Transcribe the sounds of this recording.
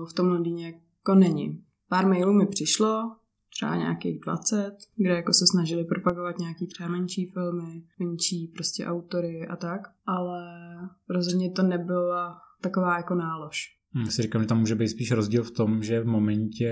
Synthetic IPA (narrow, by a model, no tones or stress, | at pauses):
ft̪omlodɪɲɛja | konɛɲɪ̰ | paːɾmɛjluːmɪpr̝̥ɪʃlo̞ | t̪r̥ɛba̰ɲa̰ːkḛɣdva̰t͡sɛt̪ɡdɛjakosɛsnaʒɪlɪpɾopaɡovat̪ɲaːakiːt̪r̥ɛbamɛnt͡ʃiːfɪlmɪmɛnt͡ʃiːpɾoscɛ̰ʔawt̪oɾɪʔa̰t̪akʔalɛɾozɦdɲɛt̪onɛbɪlat̪akovaːjakonaːloʃ̩ | asɪɾikaːmʒɛt̪amːuːʒɛbejt̪spiːʃɾozɟiːlft̪omʒɛvmomɛɲcɛ